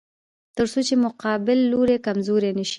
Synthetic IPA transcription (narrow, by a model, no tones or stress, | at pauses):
t̪əɾsot͡ʃemʊqɑbɪlːoɾekamzoɾenəʃi̥